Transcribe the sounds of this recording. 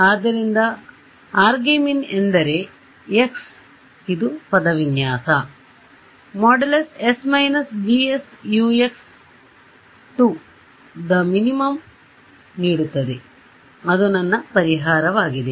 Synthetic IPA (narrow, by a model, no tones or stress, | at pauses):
aːd̪ːɐɾind̪ɐ | aːɾɡeːminend̪ɐɾe̞ | eks | id̪upɐd̪ɐʋinjaːsɐ | mɔɖelesesmɐjnɐsd͡ʒiesjueks | ʈu | d̪ɐminimɐm | niːɽut̪ːɐd̪e | ɐd̪unɐnːɐpɐɾiɦaːɾɐʋaːɡid̪e̞